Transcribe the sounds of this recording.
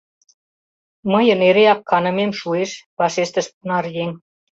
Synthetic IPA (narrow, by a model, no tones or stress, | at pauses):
məjə̆neɾeɑkːɑnɤ̆memʃueʃpɑʃeʃt̪ə̆ʃpunɑrjen